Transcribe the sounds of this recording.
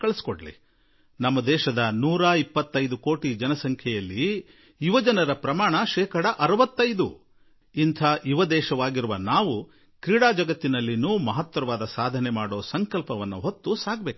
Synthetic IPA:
kɐɭisi̥koɽɐlḭ | nɐmːɐd̪ɛːʃɐd̪ɐnuːɾaːipːɐt̪ːɐjd̪uko̞ːʈid͡ʒɐnɐsɐŋkʰjɛjɐlːi | iʋɐd͡ʒɐnɐɾɐpɾɐmaːɳɐʃɛːkɐɽɐʔɐɾɐʋɐt̪ːɐjd̪ṵ | int̪ʰaːʔuʋɐd̪ɛːʃɐʋaːɡiɾuʋɐnaːʋu | kɾiːɽaːd͡ʒɐɡɐt̪ːinɐlːinuːmɐɦɐt̪ʋɐɾɐʋaːd̪ɐsaːd̪ʱɐnɛmaːɽo̞ːsɐŋkɐlpɐʋɐnːuɦot̪ːusaːɡ̚beːku

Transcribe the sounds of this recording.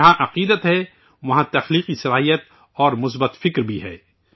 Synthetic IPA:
ɦãʔɐqiːd̪ət̪ɦɛ | ʋɐɦãt̪ɐxliːqisɐlaːɦijət̪̚ | ɔːɾmʊs̬bət̪fɪkɾbʱiɦɛ̰ː

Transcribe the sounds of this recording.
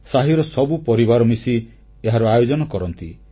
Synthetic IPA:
saɦiɾɔsɔbupɔɾibaɾɔmisi | eɦaɾuajod͡ʒɔnɔkɔɾɔnt̪i

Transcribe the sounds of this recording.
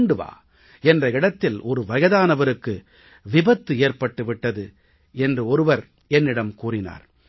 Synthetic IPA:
ɳɖɯʋa̰ː | ɛndrɐɪɽɐt̪ːɪlʔɔɾɯʋɐjɐðaːnɐʋɐɾɯkːɯ | ʋɪbɐt̪ːɯeːrpɐʈːɯʋɪʈːɐðɯ | ɛndrɯɔɾɯʋɐɾ | ɛnːɪɽɐmkuːrɪna̰ːɾ

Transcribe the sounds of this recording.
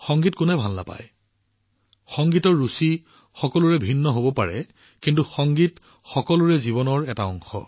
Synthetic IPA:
xɔŋɡitkʊnɛbʱalːa̰pa̰j | xɔŋɡitɔɹːusi | xɔkɔlʊɹɛbʱinːɔɦobɔpaɹɛ̰ | kintuxɔŋɡit | xɔkɔlʊɹɛzibɔnɔɹɛtaɔŋxɔ̰

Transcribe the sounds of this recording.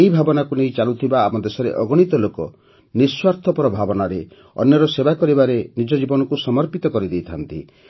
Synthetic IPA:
ejbʱabɔnakuneĩt͡ʃalut̪ʰibaːpɔd̪esɔɾḛʔɔɡɔɽ̃it̪ɔlokɔ | niswaɾt̪ʰɔpɔɾɔbʱabɔnaɾe | ɔ̰njɔɾɔsebakɔɾibaɾenid͡ʒɔd͡ʒibɔnɔkusɔmɔɾpit̪ɔkɔɾid̪ejt̪ʰant̪ḭ

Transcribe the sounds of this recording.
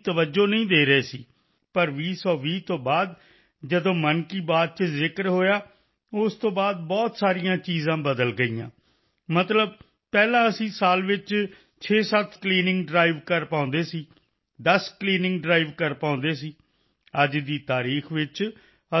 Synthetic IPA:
t̪əʋəd͡ʒoːnəĩːd̪eːɾəeːsḭː | pəɾʋiːsɔːʋiːt̪õːbaːd̪̚ | d͡ʒəd̪õːmənkiːbaːd̪̚t͡ʃəzɪkəɾɦoːjaː | ʊst̪õːbaːd̪̚bɔːt̪saːɾijãːt͡ʃiːzãːbəd̪əlɡəiːã̰ː | mət̪ləb̚ | pɛːlãːəsĩːsaːlʋɪt͡ʃ | t͡ʃʰeːsət̪ʰkliːnɪ̃ŋɡɖɾaːiʋkəɾpãːʊ̃nd̪eːsiː | d̪əskliːnɪ̃ŋɡɖɾaːiʋkəɾpãːnd̪eːsiː | əd͡ʒd̪iːt̪aːɾiːxʰʋɪt͡ʃ | ə

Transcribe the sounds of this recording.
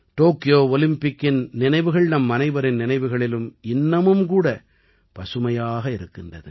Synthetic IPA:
ʈoːkːɪjoːɔlɪmpɪkːɪnnɪnɐɪʋɯɣɐɭnɐmːɐnɐɪʋɐɾɪnnɪnɐɪʋɯɣɐɭɪlɯmɪnːɐmɯmkuːɽɐ | pɐsɯmɐjaːɣɐɪɾɯkːɪndrɐðɯ̰

